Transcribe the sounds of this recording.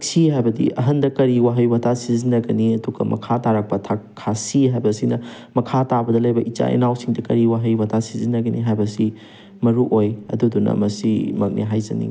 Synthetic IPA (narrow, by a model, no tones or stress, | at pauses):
ksiɦajbɐdḭʔɐɦɐndɐkɐɾiwaɦɐjbɐtʰasizinɐɡɐniɐduɡɐ̰mɐ̰kʰataɾɐk̚pɐtʰakʰːasiɦajbɐsinɐ | mɐkʰatabɐdɐlɐjbɐʔit͡ʃa̰ḭnawsiŋdɐkɐɾiwaɦɐjbɐtʰasizinɐɡɐnʔiɦajbɐsi | mɐɾuʔojɐ̰dudunɐ̰mɐsimɐk̚nḛɦajzɐ̰nḭ